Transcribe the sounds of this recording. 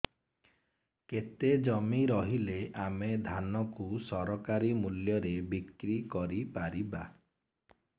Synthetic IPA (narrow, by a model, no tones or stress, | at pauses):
ket̪ed͡ʒɔmiɾɔɦileʔamed̪ʱanɔkusɔɾɔkaɾimuljɔɾebikɾikɔɾipaɾiba